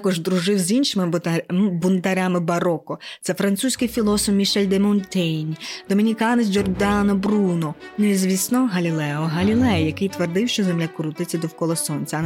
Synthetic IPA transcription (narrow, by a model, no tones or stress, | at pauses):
kɔʒd̪ɾʊʒɪwzʲinʃɪmɪ | bʊnd̪ɐɾʲamɪbɐɾɔkɔt̪sɛfɾɐnsusʲkɪjfʲilˠɔsɔfmʲiʃɛlʲd̪emɔnt̪ʲɛjnʲd̪̥ɔmʲinʲikɑnes̬ʲd͡ʒɔrd̪ɑnɔbrunɔnezʲʋʲisnɔɦɐlʲilˠɛɔɦɐlʲilˠɛjjɐkɪjt̪ʋerd̪ɪwʃt͡ʃɔzemlʲakɾut̪ɪt͡sʲɐd̪ɔwkɔlˠɔsɔnʲt͡sʲɐɐ